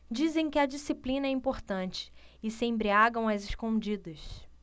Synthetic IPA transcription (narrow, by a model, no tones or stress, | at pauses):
d͡ʒizẽj̃kɪɐd͡ʒisiplĩnɐɛĩmpoɾt̪ɐ̃nt͡ʃɪ̥ːsɪẽbɾiaɡɐ̃w̃ɐzɪʃkõd͡ʒid̪ɐs